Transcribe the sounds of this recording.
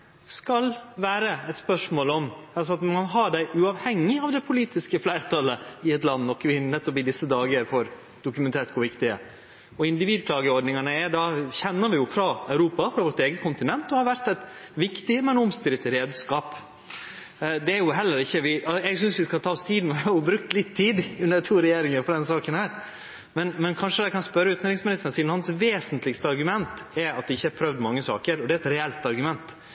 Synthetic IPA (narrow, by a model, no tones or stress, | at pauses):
skɑlʋæːɾəɛt̪spœʂmoːlɔmɑlsɔɑt̪mɑnɦɑɖæɪʔʉɑːʋhɛŋːɪɑʋd̪ɛpʰʊliːt̪ɪskəflæɪɾt̪ʰɑlːəɪɛt̪lɑnːɔkʰːʋɪnnɛt̪ːɔpɪd̪ɪsːəd̪ɑːɡəəɾfɔɾ | d̪̥ʊkʉmɛnt̪ʰeːʈ̪̚kʰʊɾʋɪkt̪ɪə̰ | ɔɪnd̪ɪʋiːd̪̚kʰlɑːɡəɔɖnɪŋɑnəɛd̪ɑçɛnːəɾʋɪjʊfɾɑɑʉɾuːpɑfɾɑʋɔʈ̪eːɡəkʰʊnt̪ɪnɛnt̪ɔhɑɾʋæɾt̪ɛɪt̪ʋɪkt̪ɪmɛnɔmst̪ɪɾɪt̪ɾeːd̪skɑːp | d̪ɛæɾjʊɦɛlːəɾɪçːəʋɪɑɛɡsʏnsʋɪskɑt̪ʰɑːst̪ʰiːd̪n̩ɔʋɪhɑɾjʊbɾʉkt̪lɪt̪ʰːiːd̪ʉnəɾt̪ʰuːɾɛjeːɾɪŋəfɔɾɑd̪ɛnsɑːkənhæːɾ | mɛnmɛnkʰɑnʂəd̪æɪkʰɑnspœɾːəʉːt̪nɾɪŋsmɪnɪst̪ənsiːnhɑnsʋeːsənt̪lɪkst̪əɑɾɡʉmɛnt̪ɛɑt̪̚d̪ɪɪçːəæɾpʰɾœʋd̪mɑŋːəsɑ̰ːkəɾɔd̪ɛɛt̪ɾɛɛlt̪ɑɾɡʉmɛnt̪